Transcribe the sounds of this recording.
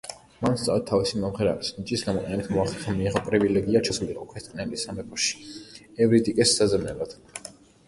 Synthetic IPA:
manst̪sʼa̰wɛt̪ʰːavisimɔmʁɛɾa̰ɾisnit͡ʃʼisɡamɔqʼɛnɛbit̪ʰmɔaχlɛχɛmiːʁɔpʼɾivilɛɡiat͡ʃʰasuliqʼɔkʰɾɛt̪ʼkʼnɛlisamɛpʰʼɔʃi̥ɛvɾit̪ʼikʼɛsːazɛmnɛbad̪̥

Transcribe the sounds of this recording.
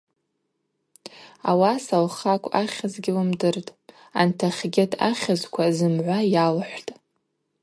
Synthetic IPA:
awasalχakʷʼaχʲazɡʲɪlɨmdɨrtʼ | antʰaχʲɡʲɪtʰʼa̰χʲazkʷʰazɨmʕʷajalħʷtʼ

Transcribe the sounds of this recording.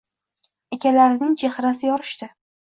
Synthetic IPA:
ekʲalaɾɪnɪŋt͡ʃʰehɾasɪjɒɾɪʃt̪ɪ

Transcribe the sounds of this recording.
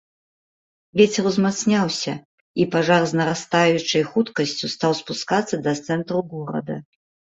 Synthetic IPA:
vʲɛt͡sʲɛrwzmat̪snʲawsʲɐ | ipaʐarznɐɾast̪ajut͡ʂɨjxut̪kɐsʲt͡sʲust̪awspuskat̪sːɐd̪ɐt̪sɛnt̪ɾuɣɔɾɐ̰d̪ɐ

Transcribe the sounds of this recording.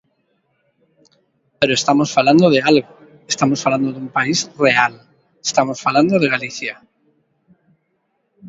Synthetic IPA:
peɾoest̪amosfaland̪oðealɣo | est̪amosfaland̪oðumpaisreal | est̪amosfaland̪oðeɣaliθja

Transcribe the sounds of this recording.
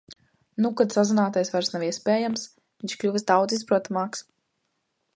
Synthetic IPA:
nukat̪sazunaːt̪ajsvaɾsnawiɛspʲɛːjams | viɲʃklʲuvsd̪awd̪zispɾuɔt̪amaːks

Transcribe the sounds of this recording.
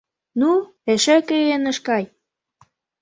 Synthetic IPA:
nu | eʃĕkeɣenə̆ʃkɑj

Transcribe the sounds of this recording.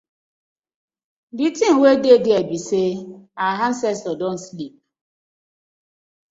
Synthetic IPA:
ditin̩wededɪebiseaɦan̩sɛstɔdon̩slip̚

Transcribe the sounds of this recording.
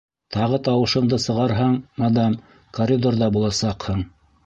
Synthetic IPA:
t̪ɑʁɤt̪ɑwɤ̆ʃɤ̆ɴd̪ɤsɤ̆ʁɑɾɦɑɴmɑd̪ɑm | korʲid̪orðɑbulˠɑsɑqhɤɴ

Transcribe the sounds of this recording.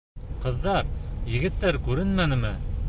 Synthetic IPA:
qɤ̆ðːɑɾjɘ̆ɡɘ̆t̪ːæɾkʉɾɘnmænɘ̆mɘ

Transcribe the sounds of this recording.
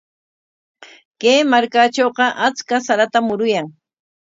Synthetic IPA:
keːmaɾkat͡ʃoːqɑʔat͡skasaɾat̪amʊɾʊjaŋ

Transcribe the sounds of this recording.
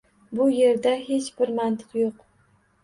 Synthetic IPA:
bʊje̞ɾd̪aɦe̞t͡ʃb̥ɪɾmant̪ʰɨ̥qjoq

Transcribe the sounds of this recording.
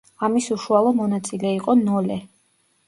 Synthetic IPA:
amisuʃualˠɔmɔnat̪sʼilɛiqʼɔnɔlɛ

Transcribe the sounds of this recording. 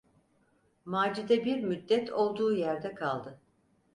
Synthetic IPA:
maːd͡ʒid̪ɛbiɾmyd̪ːɛt̪ʰo̞lˠd̪uːjæɾd̪ɛkʰalˠd̪ɯ

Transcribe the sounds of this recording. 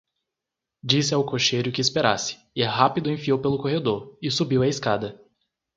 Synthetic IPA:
d͡ʒisɪawkoʃejɾʊkɪːspeɾa̰sɪ̥ | ɪhapid̪ʊẽfiowpelʊkoɦed̪oɾɪsubiwɐɪskad̪ɐ

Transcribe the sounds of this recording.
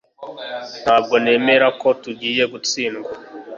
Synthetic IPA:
nhaːb̚ɡo̞ne̞ːme̞ɾako̞tuɟiːje̞ɡut͡siːnɡwa

